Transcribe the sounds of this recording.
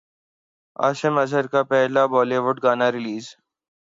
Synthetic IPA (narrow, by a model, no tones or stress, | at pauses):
a̰ːsɪmɐsəɾkapɛɦlabɔːleʋʊʈɡaːnaɾɪliːz